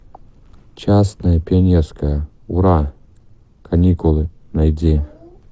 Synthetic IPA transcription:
t͡ɕasnɐjəpʲɪɐnʲerskəjə | ʊɾa | kʰɐnʲikʊlˠɨnɐjdʲe

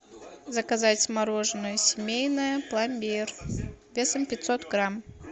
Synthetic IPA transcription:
zəkɐzatʲmɐɾo̞ʐnəjəsʲɪmʲejnəjəplˠamʲbʲejrvʲesəmpʲɪt̪sot̪ɡɾam

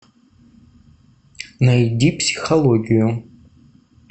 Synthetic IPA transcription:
najdipʰsi̥χoloɡʲiju

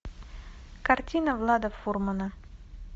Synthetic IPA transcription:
kartʲinəvlˠad̪əfurmənə

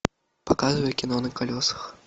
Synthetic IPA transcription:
pakazvɐjɛkʲinɔnɨkalʲɔsɐ̥x

